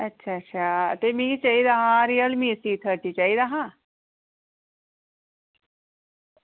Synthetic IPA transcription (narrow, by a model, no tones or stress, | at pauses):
ɐtːʃʰaɐtːɕʰat̪emĩt͡ʃaid̪aɦãɾijəlmisit̪ʰəɾʈit͡ʃaːid̪aɦã